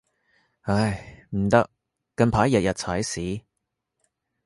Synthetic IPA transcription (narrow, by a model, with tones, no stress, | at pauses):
ɐ˧jm̩˨˩t̪ɐ˧˥k̚ː | ɐ˧npʰaː˨˥jɐ˨t̚jɐ˨t̚t͡sʰaː˨˥jsiː˨˥